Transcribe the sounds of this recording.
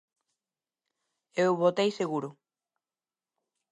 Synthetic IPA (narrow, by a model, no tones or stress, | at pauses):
ewβot̪ejseɣuɾʊ